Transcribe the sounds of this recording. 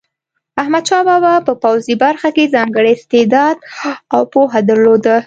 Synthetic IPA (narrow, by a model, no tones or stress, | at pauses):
ahmad̪ʃɑbɑbapəpawzibaɾxakezɑŋɡəɽest̪ed̪ɑd̪awpoɦad̪əɾlod̪ə